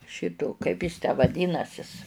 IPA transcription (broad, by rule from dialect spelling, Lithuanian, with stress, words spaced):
ˈʃʲɪtoː ˈkɐɪp jɪs tʲæː ʋɐˈdʲiːnɐsʲɪs